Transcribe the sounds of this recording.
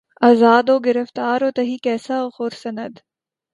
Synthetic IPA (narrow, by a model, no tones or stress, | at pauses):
aːzaːd̪oːɡɪɾəft̪aːɾoːt̪ɐɦiːkɛːsaoxoːɾsɐnəd̪